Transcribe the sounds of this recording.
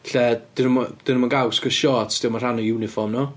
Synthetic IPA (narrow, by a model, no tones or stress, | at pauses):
ɬɛd̥ɪnmd̥ɪnmɔnɡawskɔʃɔːtsd̥ɪwmanr̥anɔjunɪfɔmnɔ